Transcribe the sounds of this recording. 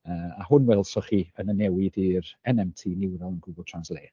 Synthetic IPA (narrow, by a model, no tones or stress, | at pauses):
əːahʊnwɛlˠsɔχiənənɛwɪdirɛnɛmtʰiːnɪwðɛlˠənɡʊblˠtʰranslˠeː